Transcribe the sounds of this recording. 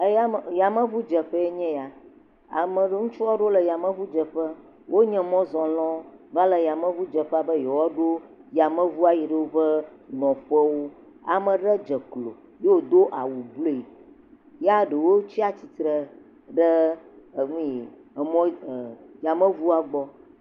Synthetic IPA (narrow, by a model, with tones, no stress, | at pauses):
e˦ja˦˨ja˨mə̃˦vu˦d͡ʒə˨ɸə˦e˦ɲɛ̃˦ja˨ | a̰˨mə̃˨ɖə˦ŋũ˦t͡ʃu˦wɔ˦ɖo˦lə˨ja˨mə̃˦vu˦d͡ʒə˨ɸə˦ | wʔo˦ɲɛ̃˦mɔ̃˦zɔ̃˨lɔ̃˦va˦lə˨ja˨mə̃˦vu˦d͡ʒə˨ɸɛ˦a˨bə˦jɛ˨wɔ˦ɖo˦ja˨mə̃˦vu˦a˨ji˨ɖə˦wo˦ɸə˦nɔ̃˨ɸɛ˦wo˦ | a̰˨mə̃˨ɖə˦d͡ʒə˨klo̰˨ | je˦wo˨d̪o˦ʔa˨wu˨blo˦˨i˨ | ja˦ɖə˨wo˦t͡ɕi˦a˦t͡ɕi˨t̪ɾə˨ | ɖə˦˨ | ŋũ˦˨mɔ̃˦˨ja˨mə̃˦vu˦a˨ɡ͡bɔ˦